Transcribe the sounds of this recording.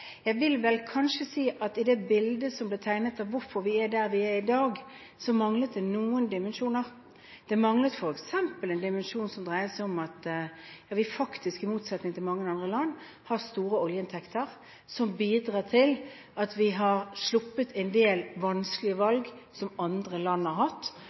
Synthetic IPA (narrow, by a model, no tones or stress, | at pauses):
jæɪʋɪlʋɛlkʰɑnʂəsiːʔɑt̪ɪd̪ɛbɪld̪əsɔmblɪːt̪ʰæɪnət̪ɑʋːʊɾfɔɾʋɪæd̪æʁʋɪæɾɪd̪ɑːɡ | sɔmɑŋlət̪̚d̪ɛnuːənd̪ɪmənʂuːnəʁ | d̪̥ɛmɑŋlət̪fɔɾɛksɛmpəlɛnd̪ɪmənʂuːnsɔmd̪ɾʁæɪəsɛɪɔmɑt̪jɑːʋɪfɑkt̪ʰɪskɪmuːt̪sɑt̪nɪŋt̪ʰɪlmɑŋːənɑnd̪ʁəlɑnː | hɑʁst̪uːɾəɔljəɪnt̪ʰɛkt̪ʰəʁ | sɔmbiːd̪ʁɑːt̪ʰɪl | ɑt̪ʋɪɦɑʁslʊpːət̪ʰɛɪnd̪eːlʋɑnsklɪəʋɑlɡ | sɔmɑnd̪ʁəlɑnːɑɾɦɑt̪ː